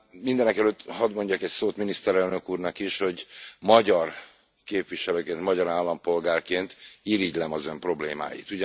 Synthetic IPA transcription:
mind̪ɛnɛkɛløt̪ːhɒd̪mo̞ɲɟɒkɛcsoːt̪minist̪ɛɾɛlnøkuːrnɒkiʃho̞ɟmɒɟɒr | keːpʋiʃɛløːkeːnt̪mɒɟɒɾaːlːɒmpo̞lɡaːrkeːnt̪iɾiɟlɛmɒzø̞mpro̞bleːma̰ːjḭt̪uɟ

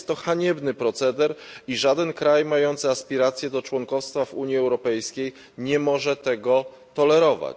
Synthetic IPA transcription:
st̪ːɔxaɲɛbnɘpɾɔt̪sɛd̪ɛɾiʐad̪ɛnkɾajmajɔnt̪sɘaspʲiɾat̪sʲjɛd̪ɔt͡ʂwɔŋkɔfst̪favuɲjiɛwɾɔpɛjskʲej | ɲɛmɔʐɛt̪ɛɡɔ | t̪ɔlɛɾɔva̰t͡ɕ

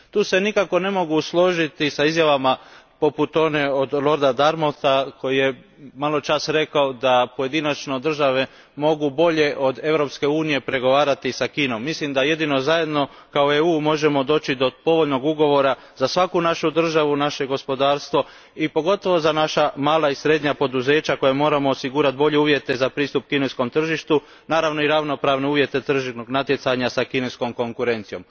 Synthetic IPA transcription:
t̪uːse̞nikako̞ne̞mo̞ɡuslˠo̞ʒit̪isaizjaʋamapo̞put̪o̞ne̞o̞d̪lˠo̞ɾd̪ad̪aɾmot̪ako̞jije̞ | malˠo̞t͡ʃasɾe̞kaod̪apo̞je̞d̪inat͡ʃno̞d̪r̩ʒaʋe̞ | mo̞ɡubo̞ʎe̞ʔo̞d̪e̞ʋɾo̞pske̞uːnije̞pɾe̞ɡo̞ʋaːɾat̪isakiːno̞mːislimd̪aje̞d̪ino̞zaje̞d̪no̞ | kaoeuːmo̞ʒe̞mo̞d̪o̞ːt͡ɕid̪opo̞ʋoʎno̞ɡuɡo̞ʋo̞ɾa | zasʋakunaʃud̪r̩ʒaʋunaʃe̞ɡo̞spo̞d̪aːɾst̪ʋo̞ | ipo̞ɡo̞t̪o̞ʋo̞zanaʃamaːlˠaisɾe̞d̪ɲapo̞d̪uze̞ːt͡ɕako̞jemo̞ːɾamo̞ːsiɡuɾat̪̚bo̞ʎeuːʋje̞t̪e̞zapɾiːst̪up̚kinesko̞mt̪r̩ʒiʃt̪u | naːɾaʋno̞iɾaʋno̞pɾaːʋne̞uːʋje̞t̪e̞t̪r̩ʒinoɡnat̪je̞t̪saɲasakinesko̞mko̞ŋkuɾe̞nt̪sijo̞̰m

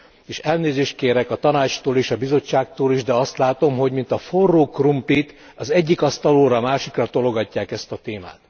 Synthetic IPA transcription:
eːʃɛlneːzeːʃt̪̚keːɾɛkɒt̪ɒnaːt͡ʃt̪oːleːʃɒbizo̞t͡ʃːaːk̚t̪oːliʒd̪ɛɒst̪laːt̪o̞mɦo̞ɟmint̪ɒforːoːkrumplit̪ | ɒzɛɟːikɒst̪ɒloːɾɒmaːʃikrɒt̪o̞lo̞ɡɒcːaːkɛst̪ɒt̪eːma̰ːt̪

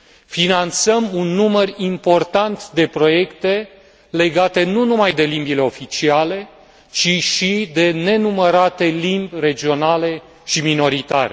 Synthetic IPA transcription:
finant̪səmunːumərimpo̞rt̪ant̪d̪e̞pɾo̞je̞kt̪e̞ | le̞ɡat̪e̞nunumajd̪e̞limbile̞o̞fit͡ʃiale̞ | t͡ʃiʃid̪e̞ne̞numəɾat̪e̞limbʲre̞d͡ʒio̞nale̞ | ʃimino̞ɾit̪aɾe

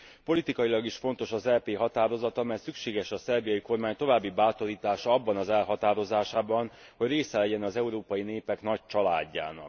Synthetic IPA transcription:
po̞lit̪ikɒjilɒɡiʃfo̞nt̪o̞ʃɒzɛːpeːɦɒt̪aːɾo̞zɒt̪ɒmɛj̪sykʃeːɡɛʃɒsɛrbijɒjiko̞rmaːɲt̪o̞vaːbːibaːt̪o̞ɾiːt̪aːʃɒɒbːɒnɒzɛlɦɒt̪aːɾo̞zaːʃaːbɒn | ho̞ɟreːsɛlɛɟɛnɒzɛuɾoːpɒjineːpɛknɒc̚t͡ʃɒla̰ːɟːa̰ːnɒ̰k

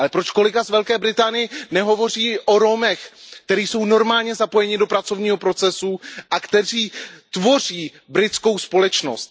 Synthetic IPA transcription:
alɛpɾo̞t͡ʃko̞lɪkazvɛlkɛːbɾɪt̪aːnɪjɛnɛɦo̞vo̞riːʔo̞ɾo̞mɛxkt̪ɛɾiːso̞wno̞ɾmaːlɲɛzapo̞jɛɲɪdopɾat͡so̞vɲiːɦo̞pɾo̞t͡sɛsuʔakt̪ɛr̝iːt̪vo̞r̝iː | bɾɪt̪t͡sko̞wspo̞lɛt͡ʃno̞̰st̪̚

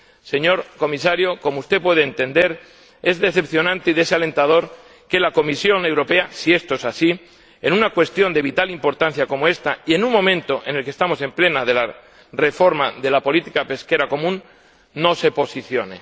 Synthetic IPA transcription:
se̞ɲo̞ɾko̞misaɾjo̞ko̞moust̪e̞pwe̞ð̞eːnt̪e̞nd̪e̞ɾ | e̞zðe̞θe̞pθjo̞nãnt̪eiðe̞seale̞nt̪að̞o̞ɾ | ke̞lako̞misjo̞ne̞wɾo̞pe̞asie̞st̪oesasi | e̞nũnakwe̞st̪jo̞nd̪e̞β̞it̪alimpo̞ɾt̪an̟θjako̞moe̞st̪aie̞nuŋmõ̞mẽnt̪o̞ʔe̞ne̞lkest̪amo̞se̞mple̞naðe̞la | re̞fo̞ɾmaðe̞lapo̞lit̪ikape̞ske̞ɾako̞mũnː | o̞se̞po̞siθjo̞nḛ

